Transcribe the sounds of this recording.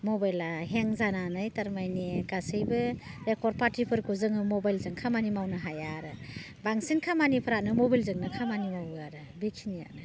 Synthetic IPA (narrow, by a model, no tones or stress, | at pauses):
mɔbajlaɦeŋzananajtaɾmajniɡasɯjbɯɾekʰɔɾpatipʰɯɾkʰuzɯŋɯmɔbajlzɯŋkʰamanimawnɯɦajaɾɯ | baŋsinkʰamanipʰɯɾanɯmɔbajlzɯŋnɯkʰamanimawaɾɯ | bikʰinija̰ʔ̚nɯ